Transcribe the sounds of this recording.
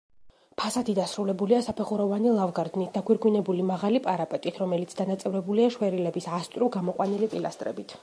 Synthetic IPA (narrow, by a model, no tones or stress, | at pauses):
pʰasat̪ʰid̪asɾulɛbuliasapʰɛχuɾɔvanilˠavɡaɾd̪nit̪̚ʰd̪aɡwiɾɡwinɛbulimaʁalipʼaɾapʼɛt̪ʼit̪ʰɾɔmɛlit̪sʰd̪anat̪sʼɛvɾɛbuliaʃwɛɾilɛbisast̪ʼɾuɡamɔqʼwanilipʼila̰st̪ʼɾɛ̰bit̪ʰ